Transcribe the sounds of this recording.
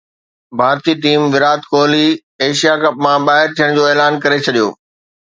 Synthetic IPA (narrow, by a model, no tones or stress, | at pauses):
bʱaːɾt̪iːʈiːmʋɪɾaːt̪koːli | eːʃijakɐpmãɓaːɦɪɾt̪ʰijəɽ̃d͡ʑoːeːlaːnkɐɾet͡ɕʰɐɗijo̰ː